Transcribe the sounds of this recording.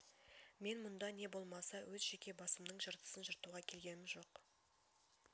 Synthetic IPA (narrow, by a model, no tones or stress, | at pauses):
me̞nmʊnd̪ɑne̞bo̞lˠmɑsɑwʔɵzʒe̞kʲe̞bɑsəmd̪əɴʒəɾt̪ə̥sənʒəɾt̪uʁɑkʲʰe̞lɡʲe̞nɪmʒo̞q